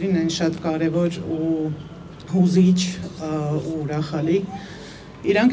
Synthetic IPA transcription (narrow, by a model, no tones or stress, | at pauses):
ɾinɛnʃɑt̪kɑɾɛvɔɾu | huzit͡ʃʰ | uːɾɑχɑli | iɾɑŋk